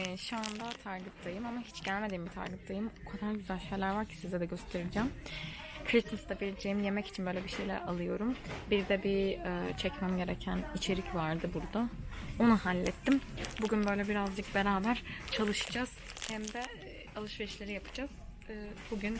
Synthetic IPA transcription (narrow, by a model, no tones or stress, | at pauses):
ʃuand̪at̪ʰaɾkɯp̚t̪ʰajɯmamaɦit͡ʃɟ̥ælʲme̞d̪iːmbit̪ʰa̰ɾkɯpt̪ʰajɯmokʰad̪aɾɟyzælʲʃejlʲæɾvaɾcʰi̥sizɛd̪ɛɟø̞st̪ʰe̞ɾid͡ʒɛːm | kʰɾism̩std̪abild͡ʒeimje̞mɛci̥t͡ʃʰinbø̞jlʲɛbiʃe̞jlʲɛ̰a̰lˠɯjo̞ɾumbiɾd̪ɛbiɛt͡ʃʰɛcmæmɟe̞ɾecʰænit͡ʃʰe̞ɾicvaɾd̪ɯbuɾd̪ao̞nuhalʲːɛt̪ʰːimbuɟynbø̞jlʲɛbiɾazd͡ʒɯk̚be̞ɾaːbæɾ̥t͡ʃʰalˠɯʃɯ̥d͡ʒaz̥hæmd̪ɛ | alˠɯʃveɾiʃlʲe̞ɾijapʰɯ̥d͡ʒaz̥buɟyn